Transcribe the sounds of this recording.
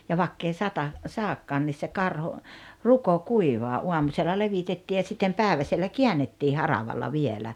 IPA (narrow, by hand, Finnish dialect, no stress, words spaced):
jɑ ʋɑkː ei sɑtɑ sɑːkːɑːn nis se kɑrho ruko kuiʋɑː ʔuɑmuselːɑ leʋitetːiː jɑ sitːem pæːĕʋæselːæ kiænːetːiː hɑrɑʋɑlːɑ ʋielæ